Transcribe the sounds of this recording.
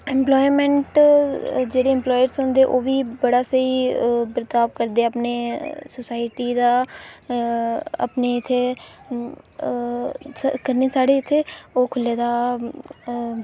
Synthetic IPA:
ɛ̃mplɔːimɛ̃ɳʈ | d͡ʒeːɽeːɛ̃mplɔːjəɾsɦõːnd̪eːʔoːʋiːbəɽaːsəibɾət̪aːʋkəɾd̪eːapneːsosaːɪʈiːd̪aː | ə̰pneːɪt̪ʰːeː | kəɾneːsaːɽeːɪt̪ʰːeːoːkʰʊlːeːd̪aː

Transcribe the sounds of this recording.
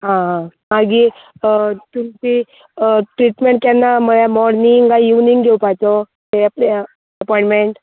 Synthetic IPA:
ɦãɦãmaɡi | t̪umt͡ɕi | ʈɾiʈmeɳʈ̚kjanːaməlamɔɾniŋɡauniŋɡɡʱewpajt̪o | t̪eapɽe | əpɔĩɳʈmeɳʈ

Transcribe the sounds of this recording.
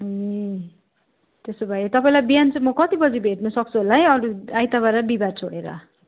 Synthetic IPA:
e | t̪esobʱajet̪ʌpaĩlajbijant͡sʌ̃mʌkʌt̪ibʌd͡zibʱeʈnʌsʌk̚t͡sʰuɦolajʌɾuajt̪aβaɾabibaɾt͡sʰoɽeɾʌ̰

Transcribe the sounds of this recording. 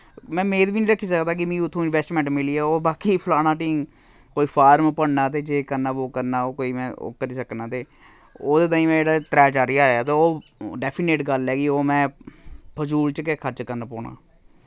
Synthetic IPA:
mɛ̃ːmeːt̪biːnĩːɾəkʰːiːsəkd̪aːk̬ɪmĩːʊt̪ʰːõːɪnʋɛːsʈmɛ̃ːɳʈmɪliːɛːoːbaːkiːpʰəlaːnãːʈiːŋ | koːiːpʰaːɾmpəɽnãːt̪eːd͡ʒeːkəɾnaːʋoːkːəɾnaːoːkoːiːmɛ̃ːo̰ːkəɾiːsəknaːt̪eː | oːd̪eːt̪̬aːĩːmɛ̃ːd͡ʒeːɽaːt̪ɾɛːt͡ʃaːɾiːaːaːt̪eːoːɖɛːpʰiːneːʈɡəlɛːɡiːoːmɛ̃ːpʰəd͡ʒuːlt͡ʃkekʰəɾt͡ʃkəɾnaːpoːɳa̰ː

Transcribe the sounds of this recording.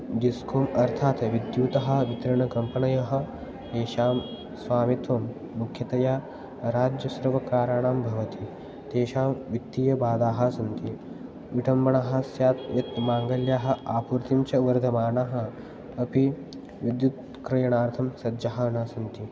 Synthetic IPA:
ɖiskʰoːmɐɾt̪ʰaːt̪ʋid̪juːt̪ɐɦɐʋit̪ɐɾɐɳɐkɐmpɐɳɐjɐɦɐ̆ | t̪eːʃaːm | sʋaːmit̪ʋɐmː | ukʰjɐt̪ɐjaː | ɾaːd͡ʒjɐsɐɾʋɐkɾaːɾaːɳaːmbʱɐʋɐt̪i | t̪eːʃaːmʋit̪ːiːjɐbaːd̪aːɦɐsɐnt̪i | ʋiʈʰɐmbɐɳɐɦɐsjaːt̪̚jɐt̪maːŋɡɐljaːɦɐ̆aːpuɾt̪imt͡ʃɐʋɐɾd̪ʱɐmaːnaːɦɐ̆ | ɐpi | ʋid̪jut̪ | kɾɐjɐɳaːɾt̪ʰɐmsɐdd͡ʒɐɦanaːsɐnt̪i

